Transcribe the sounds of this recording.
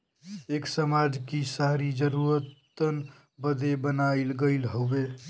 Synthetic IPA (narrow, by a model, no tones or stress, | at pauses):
eksəmad͡ʒkisaɾid͡ʒəɾuɾət̪ | ən | bəd̪ebənaɪlɡəɪlɦobe